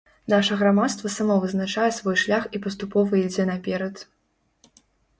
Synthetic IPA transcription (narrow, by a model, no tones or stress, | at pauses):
naʂɐɣɾamat̪st̪vɐsamɔvɨznat͡ʂajɛsvɔjʂlʲaxipɐst̪upɔvɐid͡zʲɛnɐpʲɛɾɐt̪